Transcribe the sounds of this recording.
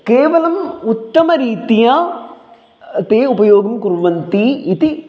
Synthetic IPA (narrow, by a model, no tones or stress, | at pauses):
keːʋɐlɐmʊt̪ːɐmɐɾiːt̪ijaː | t̪eːupɐjoːɡɐmkʊɾʋɐnt̪iit̪i